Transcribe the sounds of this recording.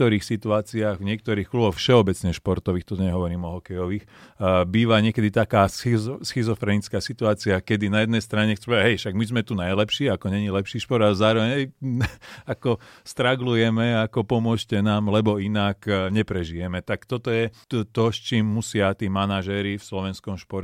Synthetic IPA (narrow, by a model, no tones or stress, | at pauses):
t̪ɔɾiːxsit̪uaːt͡siaːɣvɲɪɛk̚t̪ɔɾiːxklubɔxfʃɛɔbɛt͡sɲɛʃpɔɾt̪ɔʋiːxt̪ɔɲɛɦɔʋɔɾiːmɔɦɔkɛjɔʋix | biːʋaɲɪɛkɛd̪it̪akaːssxizɔfɾɛnit͡skaːsit̪uaːt͡siakɛd̪inajɛd̪nɛjst̪ɾaɲɛxt͡sɛmɛpɛɦɛjʃaɡmizmɛt̪unajlɛpʃiːakɔɲɛɲilɛpʃiːʃpɔɾd̪alɛzaːɾɔʋɛɲɦɛ | akɔst̪ɾaɡlujɛmɛakɔpɔmʊɔʃcɛnaːmlɛbɔinakɲɛpɾɛʒijɛmɛt̪akt̪ɔt̪ɔjɛ | t̪ɔst͡ʃiːmːusɪat̪iːmanaʒɛɾifslɔʋɛnskɔmʃpɔɾ